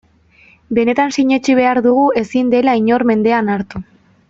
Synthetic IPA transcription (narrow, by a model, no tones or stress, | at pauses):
be̞ne̞t̪ansiɲe̞t͡ʃiβ̞e̞aɾðuɣue̞sind̪e̞laiɲo̞ɾme̞nd̪e̞anaɾt̪u